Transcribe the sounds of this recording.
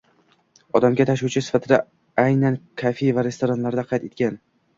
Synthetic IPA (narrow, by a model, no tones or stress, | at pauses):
ɒd̪amɡʲat̪ʰaʃuwt͡ʃʰɪsɪ̥fat̪ʰɪd̪a | ajnankʲʰafejvaɾe̞st̪oɾanlaɾd̪aqʰɑjt̪et̪̚kʲan